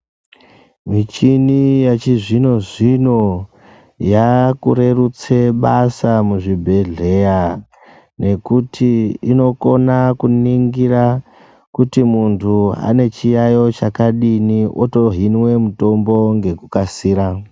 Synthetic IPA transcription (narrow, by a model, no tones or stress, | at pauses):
mit͡ʃinijat͡ʃiʐino̞ʐino̞ | jakuɾe̞rut͡se̞ɓasamuʐibʱe̞ɮe̞ja | ne̞kutʰiino̞ko̞nakuniŋɡira | kutimuntʰua̰ne̞t͡ʃijajo̞t͡ʃakaɗiniʔoto̞ɦinwe̞muto̞mbo̞ŋɡe̞kukasiːɾa